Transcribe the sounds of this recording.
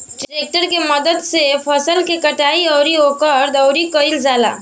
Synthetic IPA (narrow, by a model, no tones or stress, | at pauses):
ʈɾeːk̚ʈəɾkeməd̪əd̪sepʰəsəlkekəʈaːiɔːɾioːkəɾd̪əʊɾikəɪld͡ʒaːla̰ː